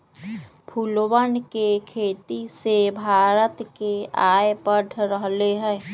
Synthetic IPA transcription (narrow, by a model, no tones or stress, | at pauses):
pʰulwənkekʰeːt̪isebʱaːɾət̪keaːepəʈʰɾəɦleɦɛ̃ː